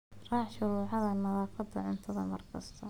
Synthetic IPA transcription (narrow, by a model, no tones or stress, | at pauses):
rɑːħʃʊɾuːʕɑðɐnɐðaːfʰɐd̪ːɐʕʊnt̪ʰɐðɐmɐrkʰɐst̪ʰɔ